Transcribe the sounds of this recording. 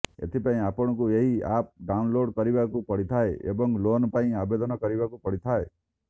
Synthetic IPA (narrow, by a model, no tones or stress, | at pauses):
ḛt̪ʰipaĩapɔɽ̃ɔkueɦiap̚ɖaunloɖkɔɾibakupɔɽit̪ʰaeḛbɔŋlonpaĩabed̪ɔnɔkɔɾibakupɔɽit̪ʰae